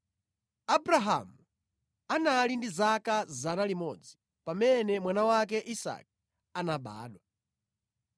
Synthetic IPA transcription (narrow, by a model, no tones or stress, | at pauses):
abɾaɦa̰mu | analindizakazanalimɔd͡zi | pamɛnɛmwanawakɛʔisa̰k̚ | anaɓa̰ːɗwa